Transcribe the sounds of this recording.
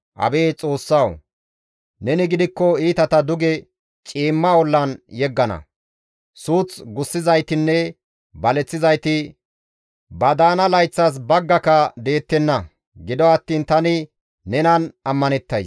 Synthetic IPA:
ʔɐ̰be̞ːt͡sʼo̞ːsːɐw | nɛnɪɡɪd̪ɪkːɔiːt̪ɐt̪ɐd̪ʊɡɛ | t͡ʃʼiːmːɐwɔlːɐnjɛɡːɐnɐ̰ | suːt͡sɡʊsːɪzɐjt̪ɪnːɛ | bɐlɛt͡sːɪzɐjt̪ɪ | bɐd̪aːnɐlɐjt͡sːɐs̬bɐɡːɐkɐd̪e̞ːt̪ːɛnːɐ | ɡɪd̪ɔɐt̪ːiːnt̪ɐnɪ | nɛnɐnɐmːɐnɛt̪ːɐjs

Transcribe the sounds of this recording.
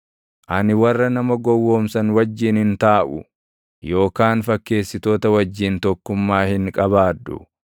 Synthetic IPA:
ʔɐnɪwɐrːɐnɐmɐɡɔwːoːmsɐnwɐd͡ʒːiːnhɪnt̪aːʔʊ̰ | jo̞ːkaːnfɐkːe̞ːsːɪt̪o̞ːt̪ɐwɐd͡ʒːiːnt̪ɔkːʊmːaːhɪŋkʼɐbaːd̪ːʊ̰

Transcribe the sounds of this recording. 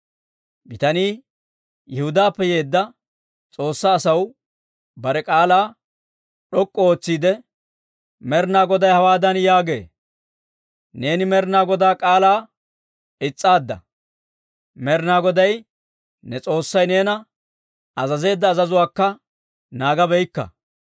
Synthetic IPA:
bɪt̪ɐniː | jɛhʊd̪aːpːɛjeːd̪ːɐ | t͡sʼo̞ːsːaːsɐw | bɐɾɛkʼaːlaː | ɗɔkʼːɔoːt͡sːiːd̪ɛ | mɛɾnaːɡɔd̪ɐjhɐwaːd̪ɐnjaːɡe̞̰ː | ne̞ːnɪmɛɾnaːɡɔd̪aːkʼaːlaː | ɪt͡sʼːaːd̪ːɐ̰ | mɛɾnaːɡɔd̪ɐj | nɛt͡sʼo̞ːsːɐjne̞ːnɐ | ɐzɐze̞ːd̪ːɐːzɐzʊwaːkːɐ | naːɡɐbɛjkːɐ̰

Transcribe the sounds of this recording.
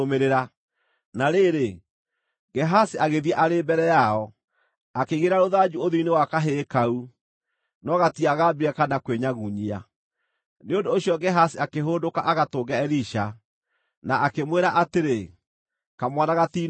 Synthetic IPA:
meɾeɾa | naɾeːɾe | ɡɛɦasiaɣeðiɛʔaɾembɛɾɛjaɔ | akeɣeɾaɾoðad͡ʒuoðinewakaɦekau | nɔɣatiaɣabiɾɛkanakweɲaɣuɲia̰ | neondoːɕjɔɡɛɦasiakeɦoːndokaʔaɣatoɡaɛɾiʃa | naʔakemweɾaʔateɾe | kamwanaɣati

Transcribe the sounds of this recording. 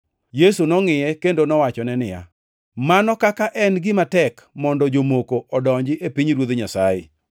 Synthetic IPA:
jesunɔŋɪjɛkendonɔwat͡ʃɔnɛnɪja̰ | manɔkakaʔɛnɡɪmatɛkmɔndɔd͡ʒomokoɔdɔɲd͡ʒɪʔepiɲɾwod̪ɲasajḛ

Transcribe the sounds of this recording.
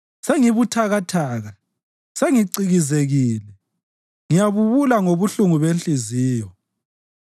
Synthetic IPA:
seŋiβutʰaɣatʰaːɣa | seŋiǀiɣizeɣiːlɛ | ŋijaβuβulaŋoβuɬuŋuβenɬʼiziːjɔ

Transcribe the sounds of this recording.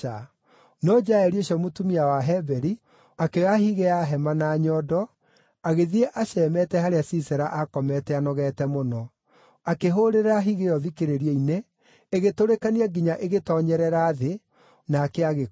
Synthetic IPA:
a | nɔd͡ʒaɛɾioɕɔmotumiawaɦɛbɛɾi | akeahiɣeaɦɛmanaːɲɔːdɔ | aɣeðieʔaɕɛːmɛtɛhaɾeasisɛɾaʔakɔmɛtɛanɔɣɛtɛmonɔ | akeɦoɾeɾaɦiɣeɔðikeɾeɾiɛineː | ɣetoɾekaniaɡiɲaʔeɣetɔɲɛɾɛɾaðe | naːkɛaɣe

